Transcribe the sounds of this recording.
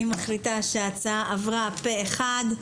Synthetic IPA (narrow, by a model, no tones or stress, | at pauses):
imaχlit̪aʃeat͡saʔavʁapeeχad̪